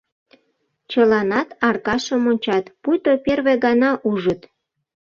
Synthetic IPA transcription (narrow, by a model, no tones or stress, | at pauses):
t͡ɕəlɑnɑt̪ɑrkɑʃəmonʲt͡ɕɑt̪pujt̪operβeɣɑnɑʔuʒət̪